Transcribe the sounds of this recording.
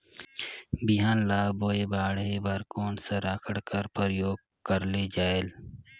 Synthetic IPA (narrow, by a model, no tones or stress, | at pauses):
bɪɦaːnlaːboːebaːɽɦebəɾkoːnsɐɾaːkʰəɽkəɾpəɾjoːɡ | kəɾled͡ʒaːel